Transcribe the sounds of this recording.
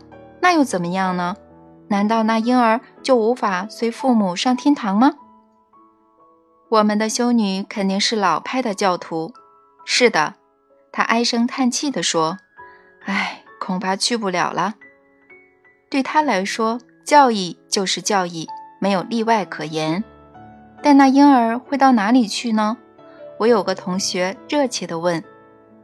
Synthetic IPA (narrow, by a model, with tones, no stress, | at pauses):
na˥˧jo˥˩ʊt͡sə˨˩mə˦jɑ˥˩ŋnə˩ | na˧˥nt̪ɑ˥˧ʊna˥˩i˥ŋə˞˧˥t͡ɕjo˥˩ʊu˧˥fa˨˩swe˧˥ɪfu˥˩mu˨˩ʂɑ˥˩ŋt̪ʰjɛ˥nt̪ʰɑ˧˥ŋmə˧ | wɔ˨˩mə˧˦nd̪ə˧ɕjo˥ʊny˧˥˦kʰə˨˩nt̪i˥˧ŋʂɻ̩˥˩lɑ˨˩ʊpʰa˥ɪd̪ə˨t͡ɕjɑ˥˩ʊt̪ʰu˧˥ | ʂɻ̩˥˩d̪ə̰˩ | t̪ʰa̰˥ʔa˥ɪʂɤ˥ŋt̪ʰa˥˧nt͡ɕʰi˥˩d̪ə˩ʂwɔ˥ | a˥˩ɪkʰʊ˨˩ŋpʰa˥t͡ɕʰy˥˧p̬u˥˩ljɑ̰˨˩ʊlʔə˦ | t̪we˥˩ɪt̪ʰa˥la˧˥ɪʂwɔ˥ | t͡ɕjɑ˥˧ʊi˥˧t͡ɕjo˥˧ʊʂɻ̩˥˧t͡ɕjɑ˥˧ʊi˥˩me˧˥ɪjo˨˩ʊli˥˧wa˥˩ɪkʰɤ˨˩jɛ˧˥n | t̪a˥˧nna˥˧i˥nə˞˧˥xwe˥˧ɪt̪ɑ˥˩ʊna˧˥li˨˩t͡ɕʰy˥˩nə˩ | wɔ˧˥jo˨˩ʊɡə˦t̪ʰʊ˧˥ŋɕɥɛ˧˥ɻɤ˥˧t͡ɕʰjɛ˥˩d̪ə˧wə˥˩n